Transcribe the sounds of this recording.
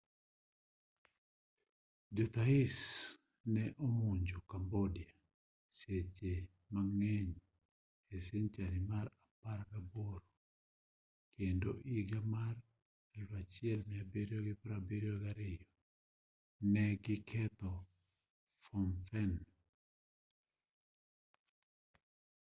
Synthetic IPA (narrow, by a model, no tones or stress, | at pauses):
d͡ʒot̪aɪs | nɛʔomuɲd͡ʒokambodia | set͡ʃe | maŋɛɲ | eseɲt͡ʃaɾɪmaɾapaɾkaboɾo | kʰendo̰ʔiɡamar | ɛlfat͡ʃɪɛlmɪabeɾjɔɡɪpɾabeɾjɔɡaɾɪjɔ | nɛɡɪkʰɛt̪ɔ | fɔnfɛn